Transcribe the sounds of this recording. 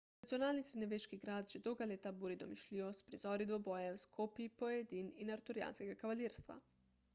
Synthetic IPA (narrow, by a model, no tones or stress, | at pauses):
nat̪sio̞naːlˠnisɾeneʋeʃkiɡɾaːd̪ʒed̪oɡalʲeːt̪abuɾid̪omiʃlʲiospɾizoɾid̪ʋobojewskʰopipoed̪ininaɾt̪uɾija̰ːnskeɡakaʋalʲiːɾst̪ʋa̰